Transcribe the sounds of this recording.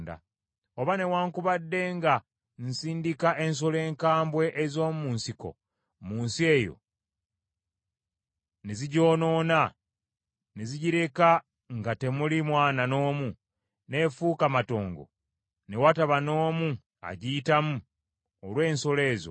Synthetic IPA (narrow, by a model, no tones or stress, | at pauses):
nda̰ | oβane̞waːŋkuβadːe̞ŋɡa | nsiːndikaʔe̞ns̬o̞le̞ːŋkaːmbwe̞ʔːzo̞ːmuːnsiko̞̰ | muːnsie̞jo̰ | neziɟo̞ːno̞ːna | neziɟiɾe̞ka | ŋɡate̞mulimwaːnano̞ːmu | ne̞fuːkamato̞ːŋɡo̰ | ne̞wataβano̞ːmu | a̰ɟitamu | olwe̞ːnso̞le̞ːzo̰